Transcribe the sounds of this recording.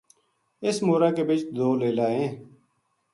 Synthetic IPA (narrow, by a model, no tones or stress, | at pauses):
ɪsmoːɾaːkeːbɪt͡ʃd̪oːleːlaːɦẽː